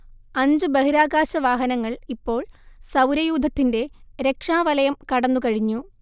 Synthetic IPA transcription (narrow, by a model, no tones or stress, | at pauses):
ɐɲd͡ʑɨbɐɦiɾaːɡaːɕɐʋaːɦɐnɐŋːɐɭipːo̞ːɭsɐwɾɐjuːd̪ʱːɐt̪ːinde̞ɾe̞kʂaːʋɐlɐjɐmkɐɽɐnːukɐɻiɲːu